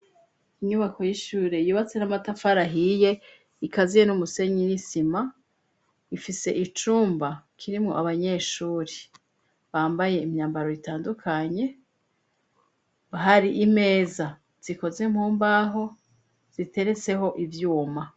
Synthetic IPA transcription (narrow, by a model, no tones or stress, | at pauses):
iɲuβako̞jiʃuːɾe̞juːβat͡se̞namatafaɾaɦije̞ | ikazijenumuse̞ɲinisima | ifise̞̰ʔit͡ʃuːmbakʰiɾimŋo̞ʔaβaɲe̞ːʃuːɾe | βaːmbaje̞imɲaːmbaɾo̞itaːndukʰaɲe̞ | βaɦaɾiʔim̥e̞ːza | z̥iko̞ze̞m̥huːmbaɦo̞ | z̥ite̞ɾe̞t͡se̞ho̞ʔivjuːma